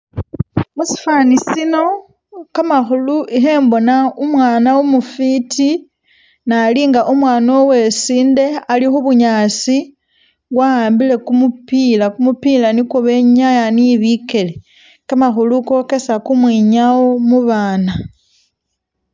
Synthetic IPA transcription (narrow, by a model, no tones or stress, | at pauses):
musi̥fanisino̞ | kamaxuluʔixe̞ːmbo̞naumwaːnawumufiti | naliŋɡaʔumwaːnowe̞siːnde̞alixuβuɲaːsi | ɣwaaːmbile̞kumupiːlakumupilanikoβe̞ɲajaniiβike̞le̞ | kamaxuluko̞ke̞sakumwiːɲao̞muβaːna